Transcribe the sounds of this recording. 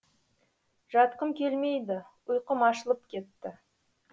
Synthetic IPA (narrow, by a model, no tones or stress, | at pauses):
ʒ̥ɑt̪̚qəmkʲʰe̞lme̞jd̪ɪ | ʊjqəmɑʃəlˠəpkʲʰe̞t̪ːɪ